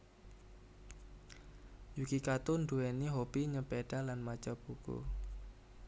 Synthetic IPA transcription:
jukikat̪unduweniɦob̥iɲəpeɖ̥alanmḁt͡ʃɔb̥ukṵ

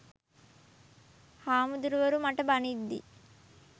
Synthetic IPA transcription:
haːmud̪uɾuʋɐɾumɐʈɐbɐnid̪ːḭ

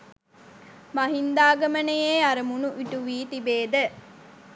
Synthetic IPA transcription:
mɐɦind̪aːɡɐmənejeːaɾəmunuʔiʈuʋiːt̪ibeːd̪ə

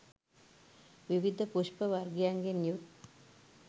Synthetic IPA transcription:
ʋiʋid̪ʱɐpuʂpɐʋɐrɡjaːŋɡɐnjut̪

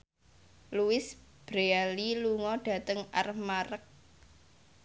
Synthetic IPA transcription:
luwɪsb̥ɾealiluŋɔɖ̥ä̤t̪əŋʔa̰rmaɾək̚

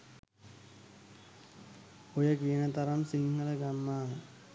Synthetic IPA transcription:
ojəkiənət̪ɐɾɐmsiŋhələɡanːaːn

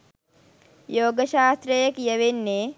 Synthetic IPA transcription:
joːɡəʃaːst̪ɾəjɐkijəʋenːe

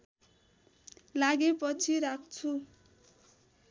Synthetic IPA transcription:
laɡepʌt͡sʰiɾak̚ʰt͡sʰu

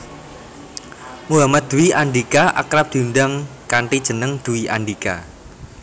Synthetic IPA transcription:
muɦamat̪̚d̪̥ṳiʔaɳɖikaʔa̰kɾap̚d̪̥i̤nɖaŋkaɳʈid̥ʒ̥ə̤nəŋd̪̥ṳwiʔa̰ɳɖika̰

